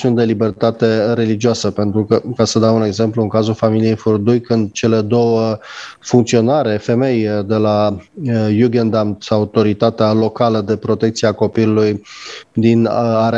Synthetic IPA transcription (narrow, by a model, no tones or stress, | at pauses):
siund̪e̞libe̞rt̪at̪e̞ɾe̞lid͡ʒioasəpe̞nt̪ɾukəkasəd̪aune̞ɡze̞mpluɨŋkazulfamilije̞jfurd̪ujkɨnd̪̚t͡ʃe̞le̞d̪o̞wəfuŋkt̪sio̞naɾefe̞me̞jd̪e̞la | juɡend̪amsaut̪o̞ɾit̪at̪ealo̞kaləd̪e̞pɾo̞t̪e̞k̚t̪siako̞pilulujd̪inaɾe